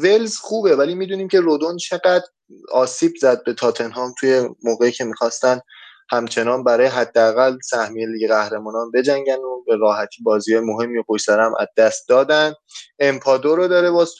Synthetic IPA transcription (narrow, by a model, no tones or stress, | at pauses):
velzxuːbe̞vælimiːd̪uːniːmcʰe̞ɾod̪ont͡ʃʰe̞ɡæd̪ | ɒːsiːbzæd̪̚be̞t̪ʰɒːt̪ʰe̞nɦɒːmt̪ʰuje̞moːɣeicʰe̞miːxɒːst̪ænd̪ | hæmt͡ʃʰe̞nɒːnbæɾɒːjeɦæd̪ːeæɣælsæhmijeliɡeɣæhɾe̞mɒːnɒːnbe̞d͡ʒæŋɟænobe̞ɾɒːhæt̪ʰiːbɒːziːhɒːjemoɦe̞mːioɡojsæɾæmʔæ̰zd̪æst̪̚d̪ɒːd̪ænd | empʰɒːd̪oɾod̪ɒːɾebɒːz